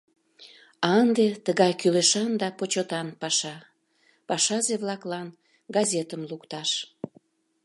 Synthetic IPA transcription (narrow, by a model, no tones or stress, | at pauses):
ɑnd̪et̪əɣɑjkyleʃɑnd̪ɑpot͡ɕot̪ɑnpɑʃɑ | pɑʃɑzeβlɑklɑn | ɡɑzʲet̪əmlukt̪ɑʃ